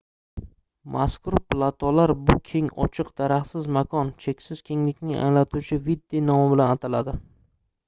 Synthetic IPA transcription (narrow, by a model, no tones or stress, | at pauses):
mʔaskʰʊɾplˠat̪ʰɒlaɾbʊkʲʰe̞ŋɒ̰t͡ʃʰɨqd̪aɾaχsɪzmakʰɒnt͡ʃʰe̞kʲsɪz̥kʲʰe̞ŋlɪkʲnɪŋa̰ŋlat̪ʰut͡ʃʰɪvid̪ːinɒmɪbɪlanat̪ʰalad̪ɪ